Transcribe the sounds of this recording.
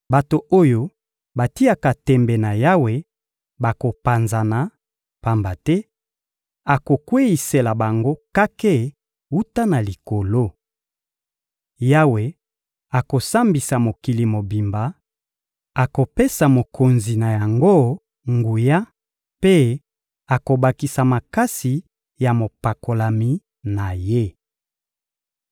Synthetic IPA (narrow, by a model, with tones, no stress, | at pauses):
ba˨to˨o˦jo˦ | ba˨ti˦a˨ka˨tɛ˨mbɛ˨na˨ja˦we˨ | ba˨ko˨pa˨nza˨na˨ | pa˨mba˨tɛ˦ | a˨ko˨kwe˦i˨se˨la˨ba˨ŋɡo˦ka˦ke˦ | u˦ta˦na˨li˨ko˨lo˦ | ja˦we˨ | a˨ko˨sa˦mbi˨sa˨mo˨ki˨li˨mo˨bi˨mba˨ | a˨ko˨pe˦sa˨mo˨kʰo˨nzi˨na˨ja˨ŋɡo˦ | ŋɡu˨ja˦ | pe˦ | a˨ko˨ba˨ki˨sa˨ma˨ka˦si˨ | ja˨mo˨pa˨ko˨la˨mi˨ | na˨je˦